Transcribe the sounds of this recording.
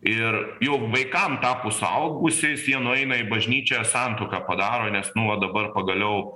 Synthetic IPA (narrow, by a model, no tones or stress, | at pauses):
ɪrjɛʊʋɐɪkɐmt̪ɑːpoːsʊɐ̰ʊɡʊsʲɪsjiɛnʊɛɪnɐɪbɐʒʲnʲiːt͡ʃʲoːjɛsɑˑnt̪oːkɑːpɐd̪ɑːɾoːnʲɛsnʊʋɐd̪ɐbɐrpɐɡɐlʲɛʊ